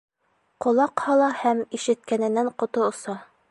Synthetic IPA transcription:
qŏlˠɑqhɒlˠɑhæmiʃɘ̆t̪̚kænɘ̆nːæɴqŏt̪oŏsɑ

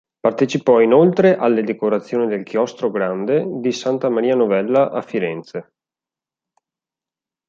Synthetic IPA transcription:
part̪et͡ʃipɔinolt̪ɾeʔalːed̪ekoɾat̪sːjoːnid̪elkjɔst̪ɾoɡɾand̪ed̪isant̪amaɾiːanovɛlːaʔafːiɾɛnt̪se

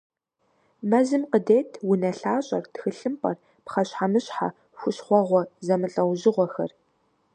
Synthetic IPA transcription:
mɐzɨmqədeːtʰwʊnɐɬaːɕʼɐrtxɨɬɨmpʼɐr | pχɐɕħamɨɕħa̰ | xʷʊɕχʷɔʁʷɔzɐmɨɬʼɐwʑɪʁʷɔxɐ̰r

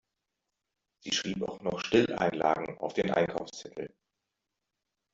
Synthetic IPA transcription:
z̥ḭːʃʁ̥iːpa̰ʊxnɔχʃtɪlʔa̰ɪnla̰ːɡŋ̩a̰ʊfd̥eːnʔa̰ɪnkʰaʊfst͡sɛtʰl̩

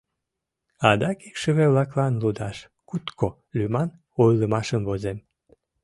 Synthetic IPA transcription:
ɑd̪ɑkikʃəβeβlɑklɑnlud̪ɑʃ | kut̪ko | lymɑn | ojləmɑʃəmvozem

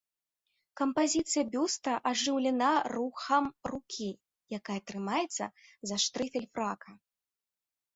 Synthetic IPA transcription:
kɐmpazʲit̪sɨjɐbʲust̪ɐʔaʐɨwlʲɛnaruxɐmrukʲʰi | jakajɐt̪ɾɨmajɛt̪sːɐ̰zɐʂt̪ɾɨfʲɛlʲfɾakʰɐ

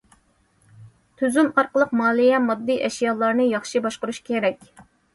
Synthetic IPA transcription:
t̪ʰyzymɑɾqəlˠəqmɑːlˠijɛmɑd̪ːiʔɛʃjɑlˠɑɾnɨjɑχʃɪbɑʃqʊɾuʃkʲʰeɾɛkʲ

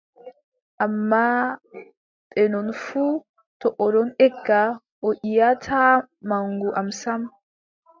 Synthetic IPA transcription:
ʔamːa | tʼɛnɔnfuː | t̪ɔʔɔɾɔnɛɡːa | ʔɔʔɪjatʰaːmaŋɡuʔamsam

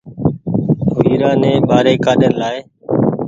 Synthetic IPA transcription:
ʊiːɾãːnẽːɓaːɾeːkaːɗənlaːeː

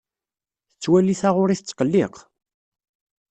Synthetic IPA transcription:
θət͡sːwæliθaʁʊɾiθət͡sːqəlːiq

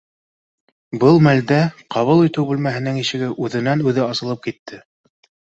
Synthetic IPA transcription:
bɤlˠmæld̪æqʰɑβɤlˠit̪ɘwbɘlmæɦɘ̆nɘŋiʃɘ̆ɡɘʔʉðɘ̆nænʉðɘɑsɤ̆lˠɤp̚kit̪ʰːɘ

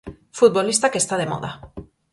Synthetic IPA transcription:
fut̪̚βolist̪akest̪aðemo̰ða̰

